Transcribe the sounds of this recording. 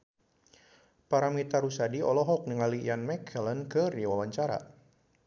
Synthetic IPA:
paɾamit̪aɾusadiɔlɔɦɔk̚niŋalijanmɛkʰələnkɨrdiwawaɲt͡ʃaɾa̰

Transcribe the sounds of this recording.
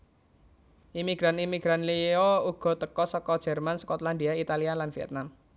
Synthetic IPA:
ʔimiɡ̥ɾanimiɡ̥ɾanliouɡ̥ɔ̤t̪əkɔsɔkɔd̥ʒ̥ɛ̤rmansə̥kɔt̪land̪iait̪alialanfiɛ̰t̪̚nam

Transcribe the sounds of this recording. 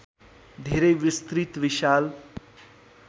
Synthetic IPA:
d̪ʱeɾejwist̪ɾit̪ʋiʃal

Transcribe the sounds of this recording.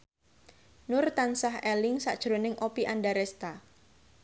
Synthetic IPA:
nʊrt̪ansaɦɛlɪŋsa̰ʔd̥ʒ̥ɾonɪŋʔopiʔanɖaɾɛst̪a

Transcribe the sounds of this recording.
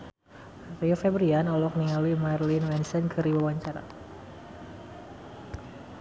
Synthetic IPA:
riɔfɛbɾianɔlɔk̚niŋaluimarlinwɛnsɛnkɨɾiwawaɲt͡ʃaɾa̰

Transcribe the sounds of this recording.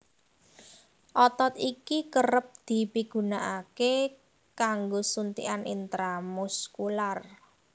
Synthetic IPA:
ʔɔt̪ɔt̪ikikəɾəp̚d̪̥i̤piɡ̥ṳnaʔake | kaŋɡosunt̪ḭʔanḭnt̪ɾamuskular

